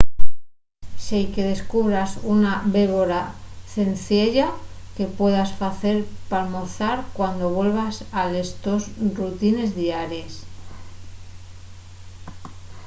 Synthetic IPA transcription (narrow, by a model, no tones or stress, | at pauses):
sejke̞ð̞e̞skuβɾasunaβe̞βo̞ɾaθe̞nθje̞ʎake̞pwe̞ðasfaθe̞ɾpalmo̞θaɾkwand̪o̞βwe̞lβasalest̪o̞srut̪ine̞zðiaɾjes